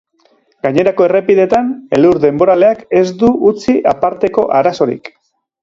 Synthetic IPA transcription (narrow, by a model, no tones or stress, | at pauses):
ɡaɲe̞ɾako̞e̞re̞piðet̪ane̞luɾðe̞mbo̞ɾale̞ake̞zd̪uut͡siʔapaɾt̪e̞ko̞̰ʔaɾaso̞ɾḭk